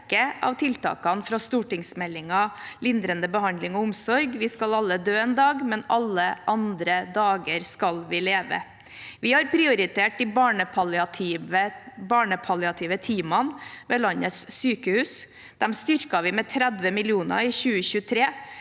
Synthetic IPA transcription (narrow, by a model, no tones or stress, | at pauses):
kəʔɑ̰ʋt̪ʰɪlt̪ɑ̰ːkɑnfɾɑst̪uːʈɪŋsmɛlːɪŋɑlɪnd̪ɾənd̪əbəhɑnd̪lɪŋɔʊmsɔɾɡʋɪskɑlɑlːəd̪øːeːnd̪ɑːɡmɛnɑlːəʔɑnd̪ɾəd̪ɑːɡəɾskɑlʋɪleːʋə̰ | ʋɪhɑɾpʰɾɪʊɾɪt̪ʰeːʈɪbɑːɳəpʰɑɑɪəbɑːɳəpʰɑlɪɑt̪ʰɪʋət̪ʰiːmɑnʋeːlɑnət̪sːyːkəhʉːs | d̪̥ɛmst̪ʏɾkɑʋɪmɛːt̪ʰɾæd̪ʋəmɪlɪuːnɑ̰ɪçʉːəçʉːt̪ʰɾeː